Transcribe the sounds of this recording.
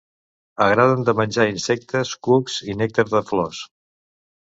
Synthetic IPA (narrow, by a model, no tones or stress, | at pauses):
əɣɾaðənd̪əmənʲʒainsɛk̚t̪əskukz̥inɛk̚t̪əzðəflɔs